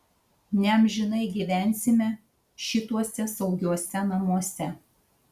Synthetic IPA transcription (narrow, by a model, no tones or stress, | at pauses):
nʲɛmʲʒʲɪnɐɪɡʲiʋʲæˑnʲsʲɪmʲɛ | ʃʲɪt̪uɔsʲɛsɒʊɡʲuɔsʲɛnɐmuɔsʲɛ